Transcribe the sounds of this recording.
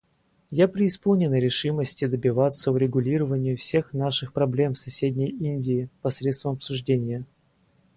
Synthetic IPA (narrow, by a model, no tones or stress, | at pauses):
japɾʲɪːspolˠnʲɪnəɾʲɪʂɨməsʲtʲɪd̪əbʲɪvat̪səʊɾʲɪɡʊlʲiɾəvənʲɪjʊfsʲe̞xnaʂɨxpɾɐblʲe̞msɐsʲedʲnʲəjinʲdʲɪːpɐsɾʲet̪st̪vəmɐpsʊʐdʲenʲɪjə